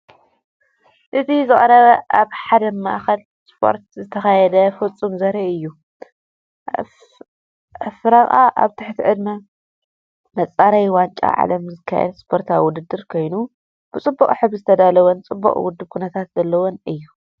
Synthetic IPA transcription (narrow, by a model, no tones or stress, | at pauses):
ʔɨt̪ʰizɨχʼɐɾɐβɐʔaβħad̪ɐmaʔxɐl | spʰo̞̰ɾt̪zɨt̪ʰɐxajɛd̪ɐfɨt͡sʼːumzɐɾiɨjːu | fɨɾaχʼa̰ʔa̰βt̪ʰɨħt̪ʰiʕɨd̪ma | mɐt͡sʼaɾajwant͡ʃʼa̰ʕa̰lɐmzɨkʰːa̰jɛ̰d̪spʰo̞ɾt̪ʰawʊd̪ɨd̪ːɨɾkʰo̞jnu | b̥ɨt͡sʼɨbːɐkʼħɨβzɨt̪ʰɐd̪alɐwont͡sʼɨbːɐ̰χʼwʊd̪ːɨβkʰunɐt̪ʰat̪zɐlːɐwonɨjːu